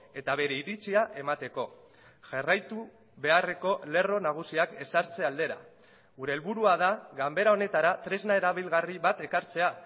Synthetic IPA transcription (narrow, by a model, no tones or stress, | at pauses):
e̞t̪aβe̞ɾe̞iɾit͡siaʔe̞mat̪e̞ko̞ | ʝarajt̪u | βe̞are̞ko̞le̞ro̞naɣ̞usiake̞saɾt͡se̞ald̪e̞ɾa̰ | ɣuɾe̞ːlβuɾuaðaɣambe̞ɾao̞ne̞t̪aɾat̪ɾe̞znae̞ɾaβ̞ilɣariβat̪e̞kaɾt͡se̞a